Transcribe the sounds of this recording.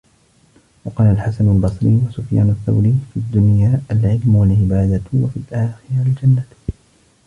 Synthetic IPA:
wɑqɑːlalħasanalbɑsˤɾiːwasʊfja̰ːnaθːa̰wɾiːfiad̪ːʊnjaːalʕɪlmwalʕɪbaːd̪awafiːlʔaːxɪɾld͡ʒanːa

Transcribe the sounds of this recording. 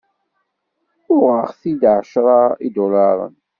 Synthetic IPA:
ʊʁəʁθid̪ʕəʃɾˤɑid̪olɑɾˤə̰n

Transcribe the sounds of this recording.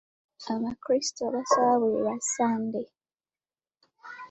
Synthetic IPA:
aβakɾistoβasaβaβuɾḛjasaːnde

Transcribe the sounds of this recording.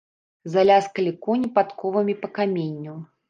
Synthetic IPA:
zalʲaskɐlʲikɔnʲipat̪kɔvɐmʲipɐkamʲenʲːuw

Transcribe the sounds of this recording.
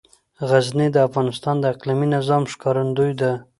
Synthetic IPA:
ɣaznid̪əafɣɑnɪst̪ɑnd̪əaqliminɪzɑmʃkɑɾand̪ujd̪a

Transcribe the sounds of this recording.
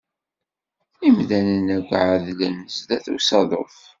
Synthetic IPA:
imðænənækʷːʕəðlənəzðæθusɑðˤo̰θ

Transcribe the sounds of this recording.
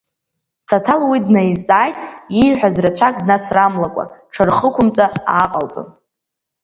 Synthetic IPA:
tʰatʰalwidnaizzʼaːjtʼijħʷᶣazrat͡ɕʷʰakʼdnat͡sʰramlakʷʼa̰ʈ͡ʂʰarχəkʷʰʊmt͡sʼaaːqʼalt͡sʼɨ̰n

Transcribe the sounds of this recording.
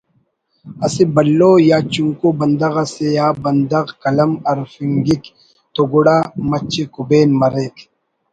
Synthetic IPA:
ɐsibɐlːoːjaːt͡ʃuŋkubɐnd̪ɐɣɐsejaːbɐnd̪ɐɣkɐlɐmɐɾfiŋɡik | t̪oɡʊɽaːmɐt͡ʃːikubeːnmɐɾeːk

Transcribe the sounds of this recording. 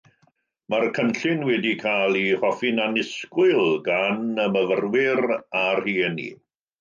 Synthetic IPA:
markʰənɬɪnwɛdikʰaːlˠihɔfɪnanɪskwɪlˠɡanəməvərwɪɾarhiːnḭ

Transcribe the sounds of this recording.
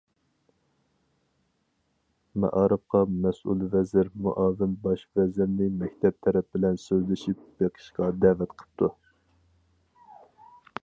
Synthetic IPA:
mɛ̰ʔɑːɾɨp̚qʰɑmɛsṵlˠvɛzɪɾmṵʔɑːvɪmbɑʃvɛzɪɾnɪmɛkʲt̪ʰɛp̚t̪ʰɛɾɛp̚bɪlɛnsøzlɪʃip̚b̥eqʰə̥ʃqɑd̪ævɛt̪qʰə̥p̚t̪ʰu

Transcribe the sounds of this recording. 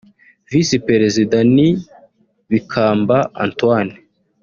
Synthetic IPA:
visipɾeɾezidani | βikʰaːmbaa̰ntwaːne̥

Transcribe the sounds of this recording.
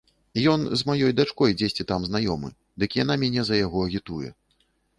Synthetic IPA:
jɔnzmajɔjd̪at͡ʂkɔjd͡zʲesʲt͡sʲit̪amznajɔmɨ̰ | d̪ɨkʲijanamʲɛnʲɛzɐjaɣɔɐɣʲit̪ujɛ̰

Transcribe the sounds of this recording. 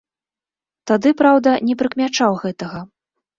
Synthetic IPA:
t̪ad̪ɨpɾawd̪ɐnʲɛpɾɨkmʲat͡ʂawɣɛt̪ɐɣɐ

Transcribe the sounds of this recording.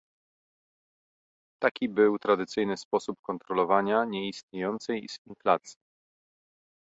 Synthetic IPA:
t̪akʲibɘwt̪ɾad̪ɘt̪sɘjnɘspɔsupkɔnt̪ɾɔlɔvaɲaɲɛist̪ɲejɔnt̪sɛjz̥inflat̪sʲji

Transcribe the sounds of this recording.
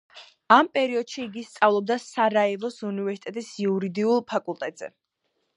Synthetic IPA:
ampʼɛɾiɔd̪̥ʃiːɡist̪sʼavlˠɔb̚d̪asaɾaɛlˠɔsunivɛɾsit̪ʼɛt̪ʼisiuɾid̪iulˠpʰakʼulˠt̪ʼɛt̪ʼz̥ɛ̰

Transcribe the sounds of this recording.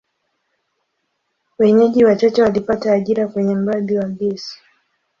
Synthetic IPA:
wɛɲɛʄiwat͡ʃat͡ʃɛwalipataːʄiɾakwɛɲɛm̩ɾaðiwaɡɛsi̥

